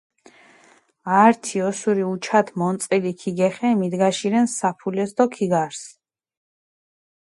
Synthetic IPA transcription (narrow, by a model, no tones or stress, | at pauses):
aɾt̪ʰiɔsuɾiut͡ʃʰat̪ʰmɔnt̪sʼilikʰiɡɛχɛmid̪ɡaʃiɾɛnsapʰulɛsd̪ɔkʰiɡaɾs